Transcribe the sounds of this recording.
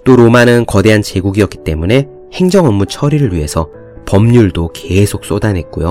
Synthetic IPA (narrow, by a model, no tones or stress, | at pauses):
t͈oɾomanɯnkʌde̞ɦant͡ɕe̞ɡuɡiʌk͈i̥t͈e̞mune̞ | he̞ŋd͡ʑʌŋʌmːut͡ɕʰʌɾiɾɯɭɥiɦe̞sʰʌ | pʌmɲuɭdoke̞sʰok̚s͈odanɦe̞t̚k͈ujo